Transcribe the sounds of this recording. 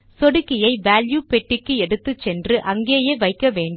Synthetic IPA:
sɔɽɯkːɪjɐɪʋaːljuːpɛʈːɪkːɯɛɽɯt̪ːɯt͡ʃɛndrɯʔɐŋɡeːjeːʋɐɪkːɐʋeːɳɖ

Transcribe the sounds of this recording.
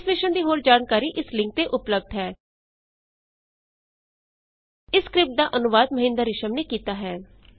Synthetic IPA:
smɪʃənd̪iːɦoːɾd͡ʒaːnkaːɾiːʔɪslɪ̃ŋk̚t̪eːʔʊpləb̚d̪ɦɛː | ɪskɾɪp̚ʈ̚d̪aːʔənʊʋaːd̪məɦɪ̃nd̪əɾɪʃəmneːkiːt̪aːɦɛː

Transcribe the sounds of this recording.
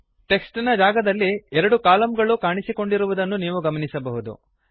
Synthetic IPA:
ʈe̞ksʈinɐd͡ʒaːɡɐd̪ɐlːiɛɾɐɽukaːlɐmɡɐɭukaːɳisiko̞ɳɖiɾuʋud̪ɐnːuniːʋuɡɐmɐnisɐbɐɦud̪ṵ

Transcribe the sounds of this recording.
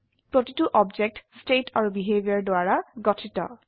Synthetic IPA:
pɹotituʔɔbd͡ʒek̚tstetʰaɹubiɦebʱiɔɹdʊaɹaɡɔtʰitɔ̰

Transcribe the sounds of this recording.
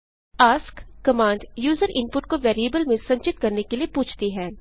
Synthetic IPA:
aːskkɐmãːɳɖjuːzəɾʔɪ̃npʊʈkoʋɛːɾiebəlmẽsɐ̃ɲt͡ʃɪt̪kɐɾnekeliepuːt͡ʃʰt̪iɦɛː

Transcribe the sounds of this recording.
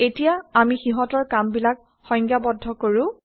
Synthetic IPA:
etijaamixiɦɔtɔɹkambilak̚ | xɔjŋkjabɔdʱːɔkoɹʊ̃

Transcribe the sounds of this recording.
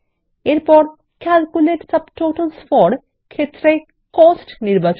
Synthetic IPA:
eɾpɔɾ | kælkuleʈsəbʈoʈəlsfɔɾ | kʰet̪ːɾe | kɔsʈniɾbat͡ɕ

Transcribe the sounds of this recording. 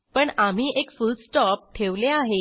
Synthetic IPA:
pəɳam̤iːʔekfulsʈɔp̚ʈʰeʋleaɦe

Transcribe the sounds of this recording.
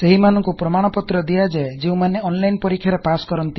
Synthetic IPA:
seɦimanɔŋkupɾɔmaɽ̃ɔpɔt̪ɾɔd̪ijad͡ʒad͡ʒeũmaneɔnlajnpɔɾikʰjaɾepaskɔɾɔnt̪i

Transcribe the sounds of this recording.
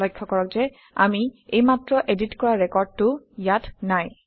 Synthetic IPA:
ɔjkʰːɔkɔɹɔk̚zɛ | a̰miejmatɹɔʔeditkɔɹaɹɛkɔɹd̚tʊ | jatnaj

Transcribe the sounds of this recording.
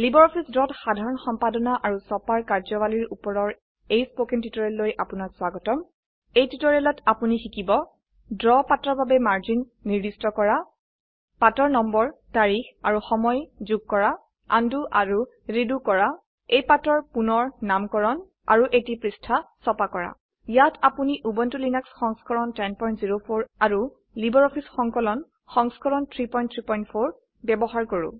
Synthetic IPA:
libɔɹɔpʰisdɔtxadʱaɹɔnxɔmpadɔnaʔaɹusɔpaɹkaɹzɔwaliɹupɔɹɔɹ | ejspokintitɔɹɛlːojʔapunakswaɡɔtɔm | ejtitɔɹɛlɔtapunixikibɔ | dɹɔpatɔɹbabɛmaɹzinːiɹdistɔkɔɹa | patɔɹnɔmbɔɹtaɹixaɹuxɔmɔjzuɡ̚kɔɹa | anduʔaɹu | ɹidukɔɹa | ejpatɔɹpunɔɹnamkɔɹɔn | a̰ɹuʔetipɹistʰasɔpakɔɹa̰ | jatʰapuniʔubɔntulinaksxɔŋskɔɹɔntɛnpɔj̃ntziɹopʰoɹaɹu | libɔɹɔpʰisxɔŋkɔlɔn | xɔŋskɔɹɔntʰɹipɔj̃ntʰɹipɔjntpʰoɹ | bɛbɔɦaɹkoɹṵ̃

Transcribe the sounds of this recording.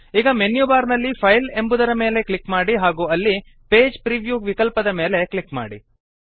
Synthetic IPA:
iːɡɐmenjubaːɾnɐlːipʰɐjle̞mbud̪ɐɾɐme̞ːle̞klikmaːɽiɦaːɡuːɐlːi | pe̞ːd͡ʒpɾiʋjuːɡʋikɐlpɐd̪ɐme̞ːle̞klikma̰ːɽḭ

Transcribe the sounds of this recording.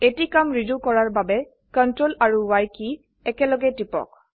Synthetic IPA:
etikamɹizukɔɹaɹbabɛ | kɔntɹolaɹuwajki | ɛkɛlɔɡɛtipɔ̰k̚

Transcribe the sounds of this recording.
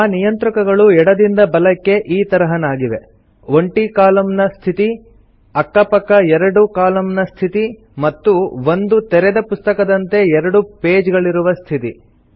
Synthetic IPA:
aːnijɐnt̪ɾɐkɐɡɐɭuɛɽɐd̪ind̪ɐbɐlɐkːe̞ʔiːt̪ɐɾɐɦɐnaːɡiʋe̞ | ʋoɳʈikaːlɐmnɐst̪ʰit̪i | ɐkːɐpɐkːɐɛɾɐɽukaːlɐmnɐst̪ʰit̪i | mɐt̪ːuʋo̞nd̪ut̪ɛɾɛd̪ɐpust̪ɐkɐd̪ɐnt̪e̞ɛɾɐɽupeːd͡ʒɡɐɭiɾuʋɐst̪ʰit̪i

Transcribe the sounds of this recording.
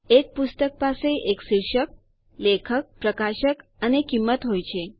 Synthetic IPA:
ek̚pust̪ək̚paseʔeksiɾʃək̚ | lekʰək̚pɾəkaʃəkənekimːət̪ɦojt͡ɕʰe

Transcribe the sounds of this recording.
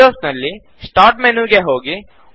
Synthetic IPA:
oːsnɐlːi | sʈaːɾʈmenuɡeɦoːɡi

